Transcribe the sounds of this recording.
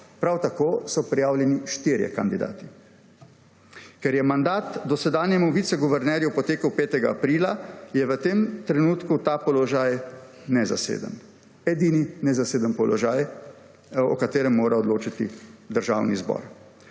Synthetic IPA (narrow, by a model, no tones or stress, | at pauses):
pɾawt̪akoːsɔpɾijaːwlʲjɛniʃt̪iːɾjɛ̰kand̪id̪a̰ːt̪i̥ | kɛɾjɛmand̪aːt̪d̪ɔsɛd̪aːnjɛmuʋiːt̪sɛɡuʋɛɾnɛːɾjupɔt̪eːkəwpeːt̪ɛɡaapɾiːlajɛʋət̪eːmt̪ɾɛnuːt̪kut̪apɔlɔʒaːj | nɛza̰sḛːd̪ə̰n | ɛd̪iːninɛzaseːd̪ənpɔlɔʒaːj | ɔkat̪eːɾɛmːoːɾaɔd̪loːt͡ʃat̪id̪əɾʒa̰ːwnizbɔ̰ːɾ